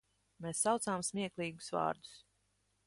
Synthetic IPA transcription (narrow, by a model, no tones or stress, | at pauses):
meːsːawt̪saːmsmʲiɛklˠiːɡu̥svɑ̰ːɾd̪u̥s